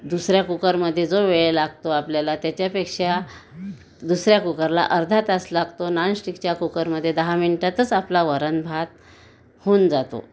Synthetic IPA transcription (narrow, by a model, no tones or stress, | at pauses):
d̪usɾjakukəɾməd̪ʱːjed͡zoʋeɭelaɡ̚t̪oapljalat̪jat͡ɕjapekʂa | d̪usɾjakukəɾla̰ʔəɾd̪ʱat̪əslaɡt̪onansʈikt͡ɕjakukəɾməd̪ʱːjed̪əɦaminʈat̪ət͡saplaʋəɾənbʱat̪ | hoːnd͡zat̪o̰